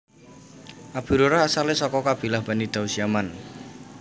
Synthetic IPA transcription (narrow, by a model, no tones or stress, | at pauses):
ʔab̥iɾoɾaasalesɔkɔkab̥i̤lahb̥a̤nid̪̥ausiaman